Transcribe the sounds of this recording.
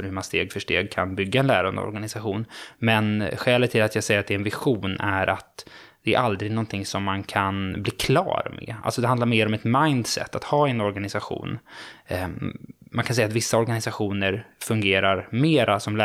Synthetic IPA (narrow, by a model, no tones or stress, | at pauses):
fœɾhɵmanst̪eːɡfœʂʈḛːɡ̚kʰa̰nbʏɡːaɛnlæːɾand̪ə̰ɔ̰ɾɡanɪsaɧuːnmɛnɧɛːlət̪ʰːɪlat̪jaːɡsɛjːɾat̪d̪ɛɾɛnvɪɧuːnæɾʔat̪ | d̪ɛæ̰ɾʔald̪ɾɪɡnɔnt̪ʰɪŋsɔmːankʰanbliːkʰlɑ̰ːɾmɛ̰ʔa̰lsɔd̪ɛhand̪laɾmeːɾɔmɛt̪majnd̪sɛ̰t̪ːat̪hɑːɛnɔɾɡanɪsaɧṵːn | mankʰansɛjat̪vɪsːaɔɾɡanɪsaɧuːnəɾfɵŋɡeːɾaɾmeːɾasɔmlː